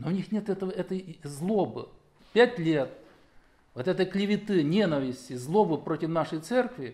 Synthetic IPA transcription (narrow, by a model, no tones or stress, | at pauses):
novnʲixnʲet̪ɛt̪əvəɛt̪əjzlˠobɨ̰ | pʲætʲlʲet̪̚ | vot̪ɛt̪əjklʲɪvʲɪt̪ɨnʲenəvʲɪsʲtʲɪzlˠo̞bɨpɾotʲɪfnaʂəjt̪sɛrkvʲɪ